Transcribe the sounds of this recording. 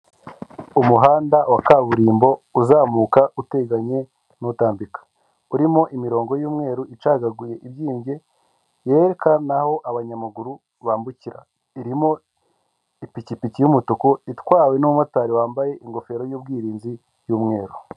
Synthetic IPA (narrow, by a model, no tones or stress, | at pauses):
umuɦaːndawakaβuɾiːmbo̞uzaːmuːkaute̞ɡaɲe̞ | nutaːmbikḁ | uɾimo̞ʔimiɾo̞ːŋɡo̞juːmŋe̞ːɾuit͡ʃaɡaɡuje̞ʔiβjiːmɟe̞ | jeɾekanaho̞ʔaβaɲamaɡuɾu | βaːmbuciɾa̰ | iɾimo̞ | ipicipicijumutukuitwaːwe̞numumataɾiwaːmbaje̞ʔiŋɡo̞fe̞ɾo̞juːb̚ɡiːɾiːnzi | juːmŋe̞ːɾu